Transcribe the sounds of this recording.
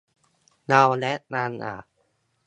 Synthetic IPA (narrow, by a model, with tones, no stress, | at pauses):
na˧wnɛ˦˥ʔnaː˧nʔa̰ː˨˩